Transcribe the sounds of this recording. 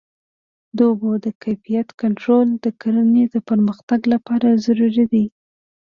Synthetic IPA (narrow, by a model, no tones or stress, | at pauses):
d̪obod̪əkajfijat̪kaɳʈɾold̪əkaɾaned̪əpəɾməxt̪aɡlapɑɾazaɾuɾid̪i